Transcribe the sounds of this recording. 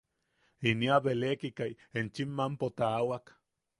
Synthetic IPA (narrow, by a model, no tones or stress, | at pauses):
iniaβelekikaj | ent͡ʃimːampot̪aːwak